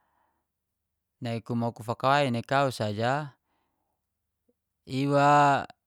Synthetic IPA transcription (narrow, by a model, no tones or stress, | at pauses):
naikumaukufakawainekausad͡ʒa | iwa